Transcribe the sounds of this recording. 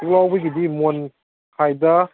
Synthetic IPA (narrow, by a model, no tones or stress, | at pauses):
lɔwbɯjɡidimon | kʰajda